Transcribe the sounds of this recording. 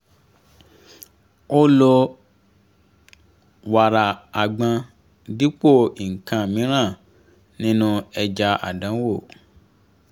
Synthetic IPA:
o˦lo˧ | wa˨ɾa˨a˨ɡ͡bã˧ | di˨˦k͡po˦˨i˨ŋ̩˨kã˧˨mĩ˨˦ɾ̃ã˦˨ | nĩ˦nũ˧ɛ˧d͡ʒa˧ʔa̰˨dã˨˦wo˦˨

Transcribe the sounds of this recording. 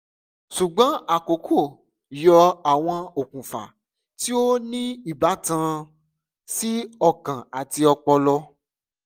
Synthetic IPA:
ʃu˨ɡ͡bɔ̃˨˦a˨ko˨˦kʰo˦˨ | jɔ˧a˨w̃ɔ̃˧o˨kũ˨fa̰˨ | ti˦o˦nĩ˦i˦˨ba˨˦tã˧ | si˦ɔ˦˧kã˨a˨ti˧ɔ˧k͡pɔ˧lɔ˧

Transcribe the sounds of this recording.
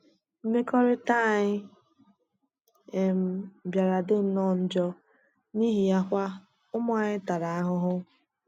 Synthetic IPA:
m̩˦me˦kɔ˦ɾɪ˦ta˦˨ɲɪ˦ | e˨m̩˦˨bja˨ɾa˨dɪ˦n̩˦nɔ˦˨n̩˦d͡ʒɔ˦ | ni˦ɦi˨ja˦kʷa˦ | ʊ˦m˦a˨ɲɪ˦ta˨ɾa˨a˦ɦʊ˦ɦʊ˦

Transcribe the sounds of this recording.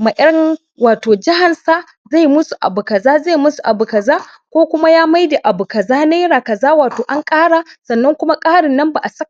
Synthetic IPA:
ma˨ʔɐ˦ɾn | waː˨toː˨d͡ʒɪ˦ɦa˨nsa˦ | za˦˨jmʊ˦su˨ʔa̰˨bʊ˨kɐ˨zaː˦za˦˨jmʊ˦su˨ʔa̰˨bʊ˨kɐ˨zaː˦ | kʷoː˦kʷʊ˦ma˦jaː˦ma˦jda˨ʔa˨bu˨kɐ˨zaː˦na˦ɽaː˨kɐ˨zaː˦waː˨toː˨ʔa˦ŋkʼaː˦ɽa˨sɐ˨nːɐ˦ŋkʷʊ˦ma˦kʼaː˦ɽɪ˨nːɐ˦mba˨ʔa˨sɐ˦k

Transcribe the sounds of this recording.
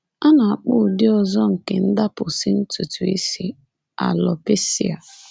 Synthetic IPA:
a˦na˨a˨k͡pʊ˦˨dɪ˦ɔ˨zɔ˦ŋ̩˨ke˨n̩˦da˦pʊ˨sɪ˦n̩˦tu˨tu˨ḭ˦si˦ | a̰˨lɔ˨pe˦si˦a˨

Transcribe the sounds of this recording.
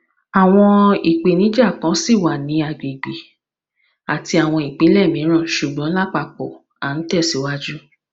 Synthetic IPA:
a˨w̃ɔ̃˧i˨k͡pe˨nĩ˨˦d͡ʒa˦˨kã˨˦si˦˨wa˨nĩ˨˦a˨ɡe˨ɡ͡be˨ | a˨ti˧a˨w̃ɔ̃˧i˨k͡pĩ˨˦lɛ˦˨mĩ˨˦ɾ̃ã˦˨ʃu˨ɡ͡bɔ̃˨˦la˦k͡pa˧k͡pɔ˨ | a˨n̩˦tɛ˦˨si˨˦wa˦d͡ʒu˦

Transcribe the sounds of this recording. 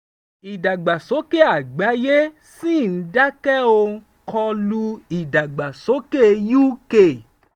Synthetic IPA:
i˨da˨ɡ͡ba˨so˨˦ke˦˨a˨ɡ͡ba˨˦je˦ | si˦˨n̩˨˦da˦kɛ˦o˧˦ | kɔ̃˧lu˧i˨da˨ɡ͡ba˨so˨˦ke˦ju˦ke˦˨

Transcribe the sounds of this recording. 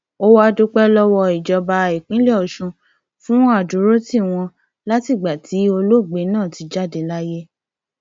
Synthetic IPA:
o˦wa˦˧˦do˦k͡pɛ˦lɔ˦wɔ˧i˨d͡ʒɔ˧ba˧e˨k͡pĩ˨˦le˦ɔ˦˨ʃũ˧ | fũ˦a˦˨du˨˦ɾo˦ti˦˨w̃ɔ̃˧ | la˦ti˦˨ɡ͡ba˨tʰi˨˦o˧lo˦˨ɡ͡be˨˦nãː˦˨ti˨˧d͡ʒa˦˨de˧la˦je˦

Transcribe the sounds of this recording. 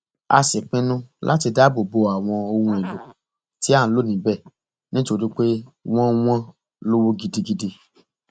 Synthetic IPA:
a̰˧sɛ˨k͡pĩ˦nũ˦lʔa̰˦ti˧da˦bo˨bo˧a˨w̃ɔ̃˧o˧hũ˧i˨lo˨ | ti˨˦ã˦˨˦lo˦˨nĩ˨˦bɛ˦˨ | nĩ˦to˧ɾi˦k͡pe˦w̃ɔ̃˦w̃ɔ̃˦ | lo˦wo˦ɡi˧di˧ɡi˧di˧

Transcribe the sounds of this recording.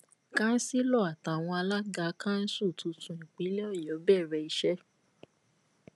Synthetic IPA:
kã˦n̩˦si˦lɔ˦˨a˨ta˨w̃ɔ̃˧a˧la˦ɡa˦kã˦n̩˦su˦˨tu˧tũ˧˨ĩ˨k͡pi˨˦lɛ˦ɔ˦˨jɔ˨˦bɛ˦˨ɾɛ˧i˧ʃɛ˦

